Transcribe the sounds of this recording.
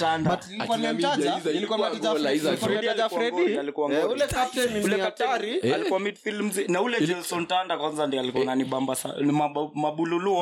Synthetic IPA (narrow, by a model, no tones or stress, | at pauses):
tanda | kwanɛm̩taailikwaazaaizaifɾɛdilafaɾɛɡialikuwaŋɡɔulɛkatɛniulɛataɾialikuwamit̚pilm̩zinaulɛd͡ʒɛlsɔntandakwanzandialikuɔnaniɓambasa̰imamaɓululuɔ